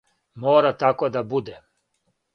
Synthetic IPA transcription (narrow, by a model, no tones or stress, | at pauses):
mɔːɾat̪akɔd̪abud̪ɛ